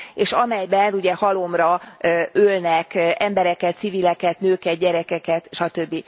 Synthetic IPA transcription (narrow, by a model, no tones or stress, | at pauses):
eːʃɒmɛjbɛnuɟɛhɒlo̞mrɒ | ølnɛkɛmbɛɾɛkɛt̪sivilɛkɛt̪nøːkɛt̪̚ɟɛɾɛkɛkɛt̪ʃɒt̪ø̞bːi